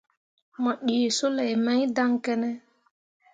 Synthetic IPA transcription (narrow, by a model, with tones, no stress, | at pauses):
mɔ˨ɗi˨so˦lɛ˨jmã˦ɲ˦da˦ŋkɛ˦nɛ˦